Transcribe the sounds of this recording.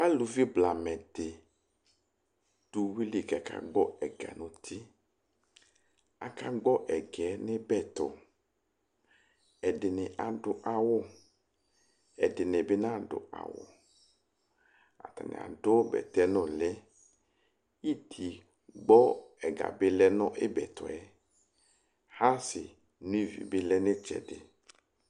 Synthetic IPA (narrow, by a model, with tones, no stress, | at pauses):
a˦lu˨vi˦bla˨mɛ˨dɪ˨ | d̥u˦wi˦li˨ɡa˨ka̰˦ɡ͡bɔ˦ɛ˨ɡa̰˨nʊ̃˨t̪ʰi˦ | a̰˨ka˦ɡ͡bɔ˦ʔɛ˨ɡɛ˨˦nɪ˦bɛ˦˨t̪ʊ̰˨ | ɛ˨dɪ˨nɪ˨ʔa˨dʊ˦ʔa˨wʊ˦ | ɛ˨dɪ˨nɪ˨be˦nã˦˨dʊ̰˨ʔa̰˨wʊ̰˨ | a̰˨t̪a˨nɪ̰˨a̰˨dʊ˦bɛ̰˨t̪ɛ˦nʊ̃˨lɛ˦ | i˦t̪ʰi˨ | ɡ͡bɔ˦ɛ˨ɡa̰˨be˦lɛ˦nɔ̃˦ʔe˦bɛ̰˨t̪ʊ˨ɛ˦ | ha˦sɪ˨ | nũ˦i˦vḭ˨be˦lɛ˦nɪ̃˦t͡ʃɛ̰˨dɪ̰˨